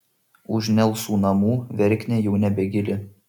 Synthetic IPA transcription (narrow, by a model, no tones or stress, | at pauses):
ʊʒʲnʲɛlˠsuːnɐmuːʋʲɛɾʲkʲnʲɛjɛʊnʲɛbʲɛɡʲɪlʲɪ